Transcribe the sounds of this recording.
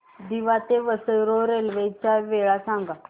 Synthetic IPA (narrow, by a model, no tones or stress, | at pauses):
d̪iʋat̪eʋəsəjɾoɾelʋejt͡ɕaʋeɭasãŋɡa